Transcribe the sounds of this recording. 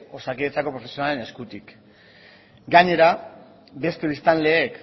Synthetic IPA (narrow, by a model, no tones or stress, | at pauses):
o̞sakiet͡sako̞pɾo̞fe̞sionalene̞skut̪ik | ɡaɲe̞ɾa | be̞st̪e̞βist̪anle̞ːk